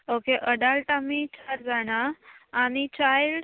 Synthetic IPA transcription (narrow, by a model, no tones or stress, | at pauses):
okeʔəɖalʈamit͡ɕaɾd͡zaɽ̃aːmit͡ɕajl